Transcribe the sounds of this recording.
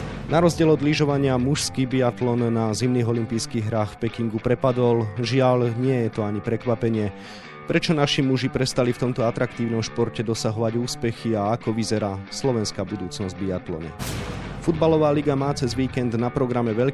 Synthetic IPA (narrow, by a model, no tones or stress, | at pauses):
naɾɔzɟɪɛlɔd̪liʒɔʋaɲɪamuʃskiːbiat̪lɔnːazimniːɣɔlimpiːjskiːɣɦɾaːxfpɛkiŋɡupɾɛpad̪ɔlʒɪaʎɲɪɛjɛt̪ɔaɲipɾɛkʋapɛɲɪɛ | pɾɛt͡ʃɔnaʃimuʒipɾɛst̪alift̪ɔmt̪ɔat̪ɾakt̪iːʊnɔmʃpɔɾcɛd̪ɔsaɦɔʋaɟuːspɛxiaːkɔʋizɛɾaːslɔʋɛnskaːbud̪uːt͡snɔzɟ̚biat̪lɔ̰ɲɛ̰fud̪balɔʋaːliɡamaːt͡sɛzʋiːkɛnd̪napɾɔɡɾamɛʋɛʎ